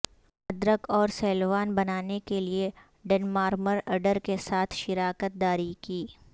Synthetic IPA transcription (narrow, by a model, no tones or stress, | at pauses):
ɐd̪ɾəkɔːɾsɛːlʋaːnbɐnaːnekelie | ɖɛnmaːɾməɾɐɖəɾkesaːt̪ʰʃɪɾaːkət̪̚d̪aːɾikiː